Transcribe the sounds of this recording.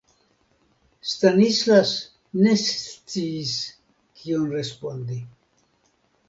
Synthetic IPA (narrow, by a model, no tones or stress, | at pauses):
st̪anislas | ne̞st͡siːs | kʰionre̞spond̪i